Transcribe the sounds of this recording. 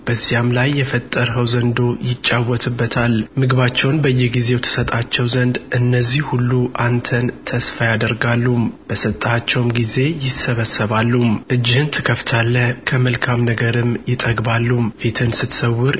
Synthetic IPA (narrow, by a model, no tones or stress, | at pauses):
b̥əzːijamlajːɛfət̪ʼːəɾɦəwzənd̪o̞jɪt͡ʃʼːawːɔt̪ʰɨbːət̪ʰalmɨɡβat͡ʃːɛwnbəjːɛɡize̞wt̪ʰə̥sət̪ʼat͡ʃːɛwzənd̪ʔɨnːəzːihhulːuʔant̪ʰənt̪ʰəsfajad̪əɾɡalːumb̥əsət̪ʼːat͡ʃːɛwmɡize̞jɪsːəβəsəβalːumʔɨd͡ʒːihɨnt̪ʰɨkʰəft̪ʰalːəkʰəməlkʰamnəɡəɾɨmjɪt̪ʼəɡbalːumfit̪ʰɨnsɨt̪səwːʊɾ